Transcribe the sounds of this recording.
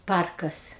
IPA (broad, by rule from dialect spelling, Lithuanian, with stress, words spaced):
ˈpɐrkɐs